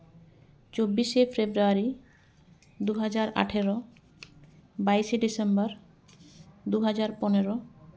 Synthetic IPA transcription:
t͡ɕobːiʃefebɾoaɾi | d̪uɦad͡ʑaɾa̰ʈʰeɾo | bajʃeɖisembaɾ | d̪uɦad͡ʑaɾponeɾo

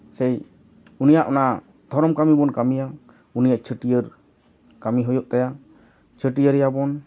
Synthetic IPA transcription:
sɛj | unijaʔɔna | d̪̥ʱɔɾɔmkamibɔnkamija | unijaʔt͡ʃʰəʈijəɾ | kamiɦɔjɔʔt̪aja | t͡ʃʰəʈijəɾɛjabɔn

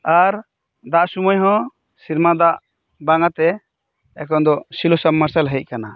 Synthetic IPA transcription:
aɾ | d̪aʔsumɔjɦɔ̃ | siɾmad̪aʔ | baŋat̪ɛ | ɛkɔnd̪ɔsilɔsamːaɾsalɦəc̪̚kana

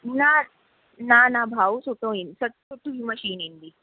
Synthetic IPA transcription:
na | nanabʱausot̪õinsətsot̪ːuɦiməɕiːnind̪i

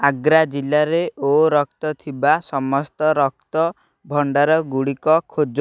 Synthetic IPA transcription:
aɡɾad͡ʒilaɾeoɾɔk̚t̪ɔt̪ʰibasɔmɔst̪ɔɾɔkt̪ɔ | bʱɔɳɖaɾɔɡuɽikɔkʰod͡ʒo

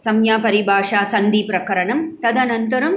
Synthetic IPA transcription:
sɐmjaːpɐɾibʱaːʂaːsɐnd̪ipɾɐkɐɾɐɳɐmt̪ɐd̪ɐnɐnt̪ɐɾɐm

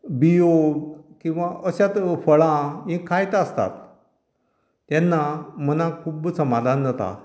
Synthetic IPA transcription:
biokĩw̃ʋaʔəɕjat̪fəɭãmĩkʰajt̪əst̪a̰t̪ | janːamənakʰuːbsəmad̪ʱanːət̪a̰

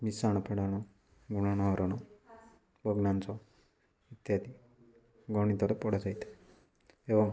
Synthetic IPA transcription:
misaɽ̃ɔpʰeɽaɽ̃ɔ | ɡuɽ̃añɔɾɔɽ̃ɔ | bʱʌɡnant͡sɔ | it̪jat̪i | ɡɔɽ̃it̪ɔɾepɔɽad͡ʒajt̪ʰe̥ | eʋɔm

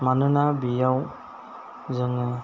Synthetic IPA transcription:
manɯnabijaw | zɯŋɯ

